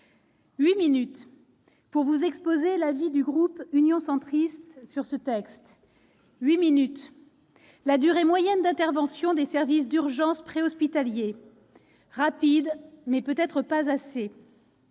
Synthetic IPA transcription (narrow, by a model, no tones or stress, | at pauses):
ɥiminyt̪ | puʁvuzɛkspozelavid̪yɡʁupynjɔ̃sɑ̃t̪χistt̪syʁsət̪ɛkst̪ | ɥiminyt̪ | lad̪yʁemwajɛnd̪ɛ̃t̪ɛʁvɑ̃sjɔ̃d̪esɛʁvis̬d̪yʁʒɑ̃spχeɔspit̪alje | ʁapid̪mɛpøt̪ɛt̪χəpazase